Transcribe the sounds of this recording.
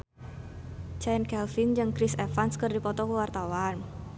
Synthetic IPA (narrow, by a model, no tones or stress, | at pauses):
t͡ʃɛjnkɛlfɪnd͡ʒɨŋkɾɪsefanskɨrdipɔt̪ɔkəwart̪awan